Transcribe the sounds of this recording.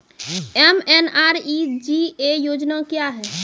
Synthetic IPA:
ɛmɛnaːɾid͡ʒiejoːd͡ʒnakjaɦɛː

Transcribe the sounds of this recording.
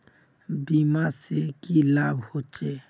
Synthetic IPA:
biːmasekilaːbʱhoːt͡ʃeː

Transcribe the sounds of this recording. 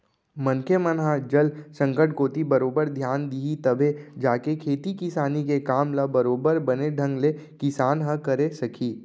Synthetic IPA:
mɐnkʰemənɦad͡ʒɐlsə̃ŋkəʈkoːt̪ibɐɾoːbəɾd̪ʱjaːnd̪iɦit̪ɐbʱed͡ʒaːkekʰeːt̪ikɪsaːnikekaːmlabɐɾoːbəɾbɐneɖʱə̃ŋɡlekɪsaːnɦəkɐɾesɐkʰiː

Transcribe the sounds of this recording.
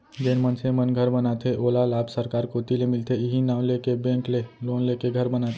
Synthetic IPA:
d͡ʒeːnmənsemənɡʱəɾbənat̪ʰeʔolalaːpsəɾkaːɾkoːt̪ilemɪlt̪eɪɦinaːwlekebẽːkleloːnlekeɡʱəɾbənat̪ʰe

